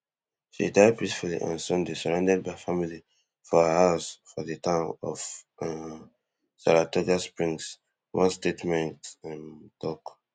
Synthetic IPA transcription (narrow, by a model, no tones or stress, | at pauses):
ʃḭdaɪd̚pʰisfulḭʔã̰nsɔ̃ndesɔɹãʊndɛd̚baɪfamili | fɔəhaʊsfɔðɨtãʊ̃mɔ̰f | sa̰latɔd͡ʒaspɹĩŋs | wɔ̃nstetmɛ̃ntãntʰɔk